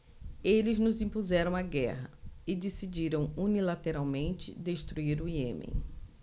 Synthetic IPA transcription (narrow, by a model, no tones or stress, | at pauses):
elɪznʊzĩpuzɛɾɐ̃w̃aɡɛ̰ɦɐɪd̪esid͡ʒiɾɐ̃w̃unilat̪eɾawmẽnt͡ʃɪ̰d̪eʃt̪ɾuiɾʊiḛ̃mḛ̃